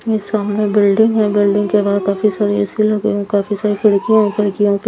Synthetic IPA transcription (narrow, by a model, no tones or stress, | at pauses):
ɪsaːmnẽbɪlɖɪ̃ŋɡɦɛ̃bɪlɖɪ̃ŋɡkebaːd̪̚kaːfisaːɾiɛsiloɡeõkaːfisaːɾikʰɐɽkijõkʰɐɽkijõk